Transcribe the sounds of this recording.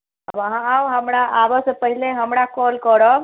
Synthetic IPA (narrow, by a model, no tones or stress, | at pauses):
əbəɦãawɦəmɾaʔabəsəpəɦileɦəmɾakɔlkəɾəb